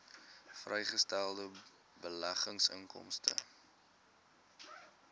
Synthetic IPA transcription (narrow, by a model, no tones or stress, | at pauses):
frɛjχəstælˠdə | bəlæχəŋsə̰ŋkɔ̰mstə̰